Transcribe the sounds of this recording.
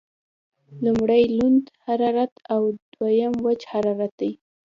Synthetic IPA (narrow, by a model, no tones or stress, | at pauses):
lumɽajlund̪haɾɑɾat̪awd̪wajəmwət͡ʃhaɾɑɾat̪̚d̪aj